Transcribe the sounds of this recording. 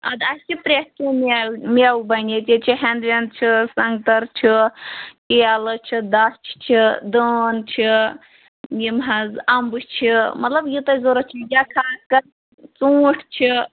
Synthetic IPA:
ɐ̰d̪ast͡ʃʰipɾeʈkimelmʲewbɐnʲet͡ʃit͡ʃʰiɦend̪ʋend̪̚t͡ʃʰisɐŋɡt̪ɐɾt͡ʃʰikialət͡ʃʰid̪ɐst͡ʃʰt͡ʃʰid̪əːnt͡ʃʰi | jimɦɐzɐmbɨt͡ʃʰimɐt̪lɐbjit̪ɐzoɾɐt͡ʃʰijʲakʰaːskɐɾ | t͡sũːʈʰt͡ʃʰi

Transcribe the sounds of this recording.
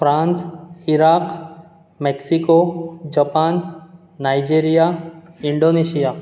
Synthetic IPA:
fɾãːnsiɾaːq | mɛksikod͡ʒɐpaːnː | ajd͡ʒiːɾijaiɳɖoneʃijaː

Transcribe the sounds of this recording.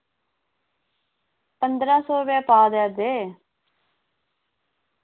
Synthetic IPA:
pənd̪ɾãːsɔːbaːpaːd̪ɛːd̪eː

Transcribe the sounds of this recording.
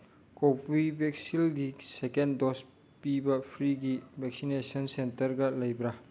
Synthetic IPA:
kobibʱeksilɡisekendɔs | pibɐpʰɾiɡibʱɛksinesɐnsentɐɾɡɐlɐjbɾa

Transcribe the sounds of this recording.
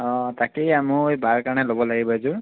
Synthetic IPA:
ɔ̃takiamũbaɹkaɹnɛlobɔlaɡibazʊ

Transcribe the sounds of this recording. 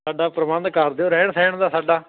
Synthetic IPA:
aːɖaːpɾəʋə̃nd̪kəɾd̪eõːɾɛːɳsɛ̃ːɳd̪aːsaːɖaː

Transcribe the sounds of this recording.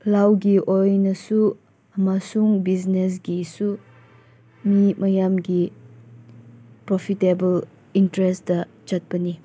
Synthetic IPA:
lawɡiʔojnɐsu | ɐmasuŋbiznes̬ɡisu | mimɐjamɡi | pɾopʰitebɐl | intɾestdɐ | d͡ʒat̚b̥ɐni

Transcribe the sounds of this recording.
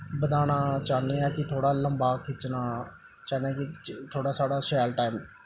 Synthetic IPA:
bəd̪aːnaːt͡ʃaːneːɛːkɪt̪ʰoːɽaːləmbaːkʰɪt͡ʃnaː | t͡ʃaːnẽːkɪt̪ʰoːɽaːsaːɽaːsɛːlʈaːim

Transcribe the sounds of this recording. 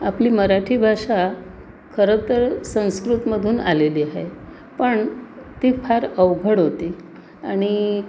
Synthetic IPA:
apliːməɾaʈʰiːbʱaʂa | kʰəɾət̪əɾsə̃w̃skɾut̪məd̪ʱuːna̰leliaɦḛ | pəɳt̪iːfʰaɾəʋɡʱəɽɦot̪iː | a̰ɽ̃i

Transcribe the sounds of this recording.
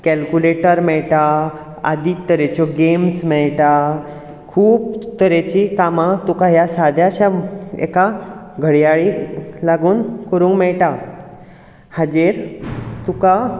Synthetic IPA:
kɛlkuleʈəɾmɛɭʈa | a̰d̪iːt̪ːəɾet͡ɕɔɡemsmɛɭʈa | kʰuːpt̪əɾet͡ɕikamãt̪ukajasad̪ʱjaɕaḛkaɡʱəɽjaɭilaɡuːnkəɾũːŋkmɛɭʈa | had͡ʑeɾt̪uka

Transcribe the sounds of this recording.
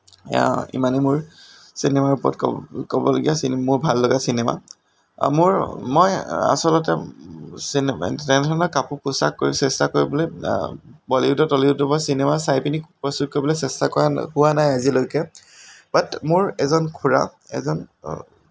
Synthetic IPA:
ḭmanɛmʊɹ | sinemaɹupɔɹɔ̰tkɔ̰kɔbɔloɡijasinmʊɹbʱalːɔɡasinema̰ | mʊɹmɔja̰sɔlɔtɛsintɛntʰɔnɔkapupʊsa̰kːoɹisɛstakoɹibɔlɔj | bɔliudɔtɔliʊdɔbasinemasajpinikpɹɔstut̚koɹibɔlɔsɛstakɔɹahʊwanajazilojkɛ | b̥atmʊɹɛzɔnkʰuɹa̰ɛ̰zɔn

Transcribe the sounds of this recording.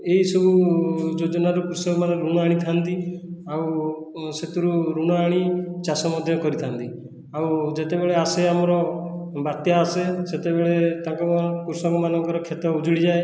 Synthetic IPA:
eisɔbud͡ʒod͡ʒɔnaɾupuɾsɔkɔmanɔɾuɽ̃ɔaɽ̃it̪ʰant̪iaw | set̪uɾuɾuɽ̃ɔaɽ̃it͡ʃasɔmɔd̪ʱjɔkɔɾit̪ʰant̪i | awd͡ʒet̪ebeɭeaseamɔɾɔbat̪jaːseset̪ebeɭet̪ãŋkɔpuɾsɔkɔmanɔŋkɔɾɔkʰet̪ɔud͡ʒuɽid͡ʒae

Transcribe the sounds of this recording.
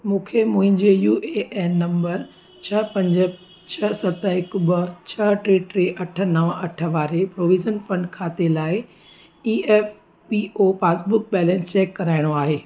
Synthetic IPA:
mũːkʰemʊ̃ɦɪ̃ɲd͡ʑejuːʔeʔːnɐ̃mbəɾ | t͡ɕʰɐpɐ̃ɲd͡ʑə | t͡ɕʰɐsɐt̪əɪkbɐt͡ɕʰɐʈɾeːʈɾeʔɐʈʰə̆nɐʋɐʈʰə̆ʋaːɾepɾoːʋiːd͡ʒənfɐ̃ɳɖkʰaːt̪elaːɪ | iːɛːf | biːʔoːfeːsbʊk̚bɛːlɛ̃ːnst͡ɕɛːkːɐɾaːɪɽ̃oaːɦeː

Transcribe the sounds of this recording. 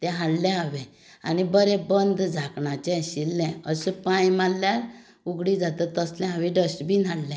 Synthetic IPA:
t̪ɛ̃ɦallɛ̃ɦaʋɛ̃ | a̰nibəɾɛ̃bənd̪d͡zʱakɳat͡ɕɛ̃ɕilːɛ̃əsəpãjmalːjaɾ | uɡɽid͡zat̪ət̪əslɛ̃ɦãʋĩɖəsʈbʱiːnallɛ̃

